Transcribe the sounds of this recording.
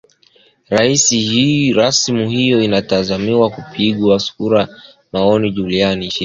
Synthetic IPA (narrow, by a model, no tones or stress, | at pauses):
ɾaisihiɾasmuɦijɔinatazamiwakupʰiɠwaskuɾa | maɔniʄulianiʃi